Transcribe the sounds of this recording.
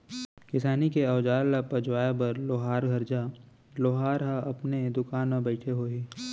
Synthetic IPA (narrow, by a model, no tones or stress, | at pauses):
kɪsaːnikeɐːd͡ʒaːlːapɐd͡ʒwaːjebɐɾloːɦaːɾɡʱɐɾd͡ʒa | loːɦaːɾɦaɐpned̪ʊkaːnmẽbəɪʈʰeɦoːiː